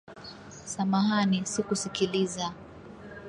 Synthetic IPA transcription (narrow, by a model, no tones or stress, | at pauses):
samaɦanisikusikiliza